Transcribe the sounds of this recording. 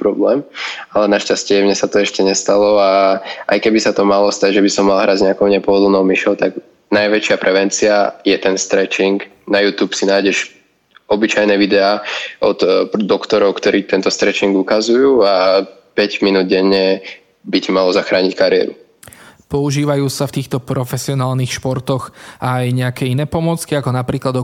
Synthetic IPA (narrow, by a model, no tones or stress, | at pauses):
pɾɔblɛːmalɛnaʃcascɪɛmɲɛsat̪ɔɛʃcɛɲɛst̪alɔaʔa̰jkɛbisat̪ɔmalɔst̪aɟʒɛbisɔmːalɦɾazɲɛakɔʊɲɛpɔɦɔd̪l̩nɔʊmiʃɔʊt̪aɡ | najʋɛt͡ʃɪapɾʔɛʋɛnt͡siajɛt̪ɛnst̪ɾɛt͡ʃiŋɡ | najuːt̪uːpsinaːjɟɛʒ | ɔbit͡ʃajnɛʋid̪ɛaːɔt̪d̪ɔkt̪ɔɾɔʊkt̪ɔɾiːt̪ɛnt̪ɔst̪ɾɛt͡ʃiŋɡukazujuːapɛɟminuːd̪̚ɟɛɲːɛ | bicɛmalɔzaxɾaːɲickaɾɪɛ̰ɾṵ | pɔuʒiːʋajuːsaft̪iːxt̪ɔpɾɔfɛsiɔnaːlniːxʃpɔɾt̪ɔɣajɲɛakɛːinɛːpɔmʊɔt͡skiakɔnapɾiːklad̪ɔ